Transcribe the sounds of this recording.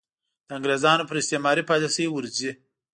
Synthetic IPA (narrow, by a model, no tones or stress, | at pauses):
d̪̥əãŋɡɾezɑnopəɾɪst̪emɑɾipɑjt̪asəwiwəɾzi